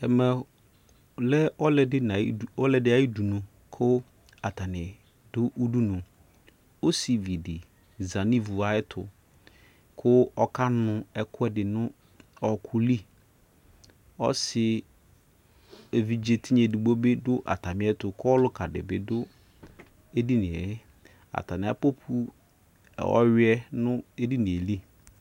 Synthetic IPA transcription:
ɛ˨mɛ˨ | lɛ˦ɔ˦lɛ˨dɪ˦na˨˦ɔ˦lɛ˨dɪ˦a˨i˦du˨nʊ̃˨ | kʰʊ˦ | a˨ta˨nɪ˨ | dʊ˦ʔu˦du˦nʊ̃˨ | o˦si˨vi˨dɪ˨ | za˨nĩ˦vu˨a˨˦ɪ˦tʰʊ̰˨ | kʰʊ˦ɔ˦ka˦nʊ̃˨ɛ˦kʰʊ˦ɛ˦dɪ˨nʊ̃˦ | ɔ˨kʰʊ˦li˦ | ɔ̰˦sɪ˨ | e˨vi˨d͡ʒe˦tʰi˦ɲe˨di˨ɡ͡bo˦bɪ˦dʊ˦ʔa̰˨ta˨mɪ̃˦ɛ˦tʊ˨kʰʊ˦ɔ˦lʊ˦kʰa˨dɪ̰˨bɪ̰˨dʊ˦ | e˦di˦nɪ̃˨ɛ˨hɪ˦ | a̰˨tʰa˨mɪ̃˨a̰˨po˦pʰṵ˦˨ | ɔ̰˦ɥɪ˦ɛ˦nʊ̃˦e˦di˦nĩ˨e˨li˦

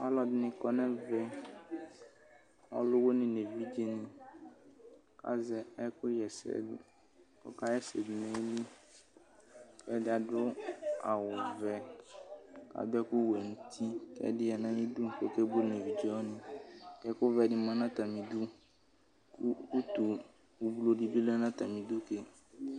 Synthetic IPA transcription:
ɔ˦lɔ˨dɪ˨˦nɪ̃˨kɔ˦nɛ̃˦vɛ˦ | ɔ̰˦lʊ˦wo˦nɪ̃˨ne˨vi˦d͡ʒe˦nɪ̃˨ | ka̰˦zɛ˨ɛ˦kʊ˦jɛ˨sɛ̰˨ | kɔ̰˦ka˦jɛ˦sɛ˨dmɛ˦ni˦ | kɛ˦dɪ˦a˨dʊ˦a˨wʊ˨vɛ˦ | ka̰˨bɛ˦kʊ˦wɛ˨n̩˨tʰi˦kɛ̰˦dɪ˦a˨nã˦i˦du˦ŋ̩˨ko˦kɛ˦bʊ˦nɛ˨vi˨d͡ʒɛ˦wɔ˦nɪ̃˨kɛ˦kʊ˦vɛ˨dɪ˨mã˦nã˦ta˨mĩ˨du˦ | kʊ˦u˦tu˨ | u˨bu˦lo˦di˦bi˦lɛ˦nã˦t̪a˨mĩ˨du˦ke˨

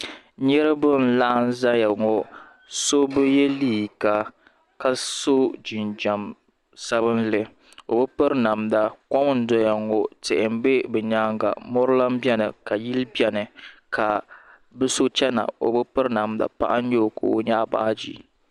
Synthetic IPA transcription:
ɲɛ˦ɾɨ˦bɨ˦n̩˨la˦n˦za˦ja˨ŋɔ˨ | so˦bɨ˦jɛ˦liː˦˨ka˨ | ka˦so˦d͡ʒi˨nd͡ʒa˨m | sa˦βɨ˦n˦lɨ˨ | o̰˨bɨ˦pɨ˦ɾna˨mda˨kɔ˦m˦n̩˦dɔ˦ja˨ŋɔ˨tɪ˨ʔɪ˨m˦be˦bɛ˨ɲaː˦ŋɡa̰˨mɔ˦ɾɨ˦la˦m˦bjɛ˦nɨ˨ka˨ji˦lbjɛ˨nɨ˨kʰa˨ | bɨ˦so˦t͡ʃɛ˦na̰˨o̰˨bɨ˦pɨ˦ɾna˨mda̰˨pa̰˦ʔa˦n˦ɲo˦˨ko̰˨o˨ɲaː˦ba̰˦ʔa˦d͡ʒḭ˦

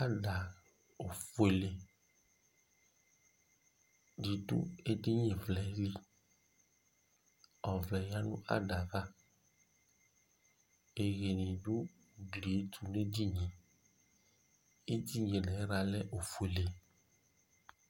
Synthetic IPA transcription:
a˦ɖa˨ | o˨fu˨e˨le˨ | di˨ɖṵ˦e˦di˦ɲẽ˨vlɛ˨˦li˦ | ɔ˨vlɛ˨ja˦nũ˦ʔa̰˦ɖa˨va˦ | e˨ɣe˨nĩ˨ɖu˦˨ | ɡli˨e˦t̪ʰu˨n˦e˦di˦ɲẽ˨ | e˦d̪i˦ɲẽ˨lɛ˨˦ɾa˨lɛ˦ʔo˨fu˨e˨le˨

